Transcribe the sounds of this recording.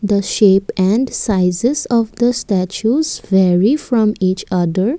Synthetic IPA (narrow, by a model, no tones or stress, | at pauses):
d̪əʃeːpɛ̃ɳɖsaɪzɪzɔʋd̪əsʈæt͡ʃuzʋɛɾifɾɔ̃miːt͡ʃʌd̪əɾ